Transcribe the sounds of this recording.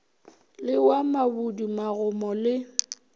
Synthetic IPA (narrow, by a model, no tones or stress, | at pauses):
lɪwamabudimaɣʊmɔlɪ